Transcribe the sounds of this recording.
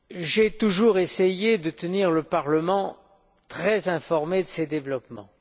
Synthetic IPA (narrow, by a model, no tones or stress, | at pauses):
ʒɛt̪uʒuʁesejed̪ət̪əniʁləpaʁləmɑ̃ | t̪χɛzɛ̃fɔʁmed̪əsed̪evlɔpmɑ̰̃